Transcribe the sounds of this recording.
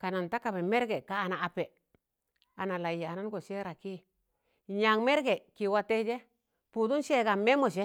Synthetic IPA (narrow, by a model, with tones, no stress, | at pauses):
ka˨na˨nta˦ka˨be˨me˦ɾɡe˨kaː˨naː˨pe˨ | a˨na˨la˨ja˨na˦nɡo˨ʃe˦ɾa˨ki˦ | ɲa˨ŋme˦ɾɡe˨ki˨wa˦te˦d͡ʒe˦ | pu˨du˦nʃe˦ɡa˨me˦mo˨ʃ̬e˦